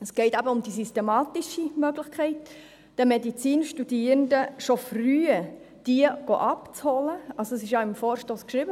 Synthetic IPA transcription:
əsɡ̥ɛɪtæbəʊmd̥isystemɑːt̪iʃimœɡlɪxkχɛɪt | d̥ɛmedit͡siːnʃtud̥iːɾəndəʃofryːə | d̥iəɡ̥o̰ʔɑpt͡shɔləɑlsoɛsɪʃjɑɪmfoːɾʃtoskʃɾibə

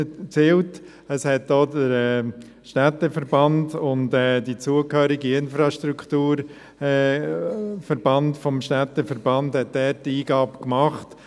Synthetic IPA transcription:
t͡siːlt | əshɛtdoːdəɾɛ | ʃtætːəfəɾbɑndʊntɛːdit͡suəkhøːɾɪɡiɪnfɾɑʃtɾuktuːɾ | ɛ | fəɾb̥ɑndfɔmʃtætəfəɾb̥ɑndhɛt̚dɛːɾtiːɡɑːbkmɑχt

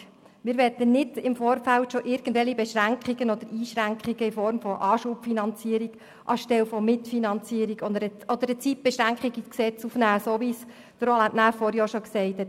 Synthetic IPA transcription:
mɪːɾʋɛtənɪd̥ɪmfɔːɾfæltʃɔʔɪɾɡ̥əndʋɛlibɛʃɾæŋkχiɡənɔd̥̪əɾiːʃɾæŋkχiɡəɪfɔɾmfɔʔɑːʃupfinɑnt͡siəɾiɡ̥ | ʔɑʃtɛlfɔmɪtfinɑnt͡siəɾiɡɔd̪əɾəɔd̪əɾət͡sit̚b̥ɛʃɾæŋkχiɡisksɛt͡sufnæːsoːʋis | d̥əɾolætnæːfɔɾjɑːʃɔksɛɪt̪hɛt

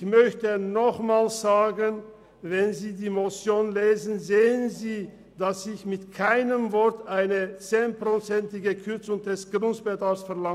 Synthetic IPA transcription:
mœçtənɔχmaːlsz̥aːɡən | vɛnziːdiːmot͡sjoːnleːzn̩zeːənziː | d̥asɪçmɪtkʰaɪnəmvɔɐtʔaɪnət͡seːnpʁ̥ot͡sɛntɪɡəkʰʏɐt͡sʊŋdɛsɡ̥ʁʊntb̥ɛdaːfsfɛɐla

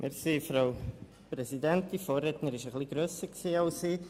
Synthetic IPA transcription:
mʔɪ̰ɾsifɾaʊ | pɾɛsidɛnt̚difoːɾɛtnəɾɪʃəχliɡɾøːsəɾksiːɑʊsiː

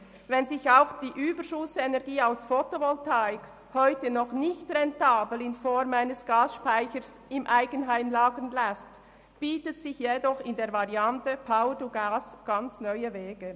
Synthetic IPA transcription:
vɛnzɪçaʊxd̥iːʔyːbəʃʊsɛnɛʁɡiːaʊsfotovɔltaɪk | hɔʏtənɔχnɪçtrɛntaːblɪnfɔɾmaɪnəsɡ̥aːsʃpaɪçəɾs | ɪmʔaɪɡənɦaɪmlaːɡənlɛst | b̥iːtətsɪçjedɔχɪndeːɐvaʁiantəpʰaʊəduɡaːsɡ̥ant͡snœʏəvɛːɡ̥ə

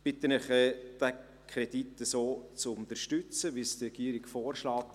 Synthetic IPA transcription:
b̥ɪt̪ːənɪχɛd̥ɛ | kʰʁɾɛd̥itːəsoːt͡sʊnt̪əɾʃtʏt͡səʋistrɛɡ̥iːɾɪɡ̥foːɾʃlɑːt

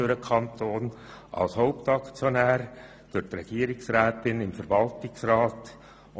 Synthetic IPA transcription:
øɾəkʰɑnt̪oːn | ʔɑ̰lshoʊptɑkt͡sjonæːɾ | d̥ʊtrɛɡ̥iəɾɪksɾæːt̪ɪnɪmfəɾvɑltɪksrɑːt̪

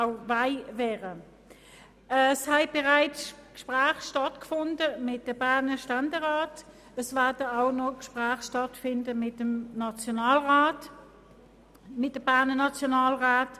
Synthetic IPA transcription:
aʊvaɪvɛːʁə | əshɛɪb̥ɛʁaɪt͡skʃpʁæːχʃtɑtkfʊndəmɪt̚d̥əbæɐnəʃtændeʁaːt | əsvɛɐdəaʊnɔkʃpʁæːχʃtɑtfɪndəmɪtəmnɑt͡sjonɑːlʁaːt | mɪt̚dəb̥æɐnənɑt͡sjonɑːlʁaːt

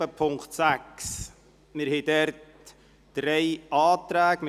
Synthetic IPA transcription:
əpʰʊŋktsæks | mɪɾhɛdɛɾt | d̥ɾɛɪʔɑːt̪ɾæːɡm

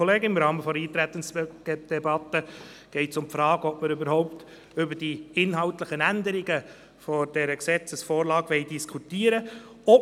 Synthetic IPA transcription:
ɔleːɡəɪmɾɑːməfɔɾiːt̪ɾæt̪ːən̩sd̥̪ɛbɑt̪ːə | ɡ̥ɛɪtsʊmpfɾɑːɡəɔpməɾʏbəɾhɔʊpt | ʏbəɾd̥iɪnɦɑltləχənænd̪əɾɪɡə | fɔd̥ɛɾəksɛt͡səsfɔːɾlɑːɡʋɛɪdiskʰut̪iːəɾə | ɔp

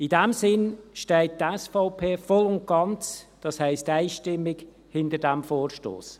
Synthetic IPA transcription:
idɛmsɪnʃtɛɪt̚tɛsfaʊpʰeːfɔlʊnt̚ɡ̥ɑnt͡sd̥ɑshɛɪstæɪʃtɪmːɪɡ | hɪndəɾdæmfoːɾʃto̰ːs

